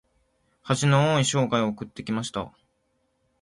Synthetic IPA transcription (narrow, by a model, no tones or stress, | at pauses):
haʑinooːiɕo̞ːɡaiookɯ̟t̪ːe̞kʲimaɕi̥t̪a̰